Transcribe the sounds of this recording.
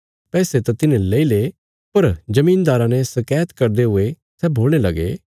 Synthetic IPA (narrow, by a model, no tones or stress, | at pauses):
pɛːset̪ãt̪ɪnẽleːile | pɐɾd͡ʒɐmiːnd̪aːɾãnɛsɐkɛːt̪kɐɾd̪eɦʊe | sɛboːlñelɐɡḛ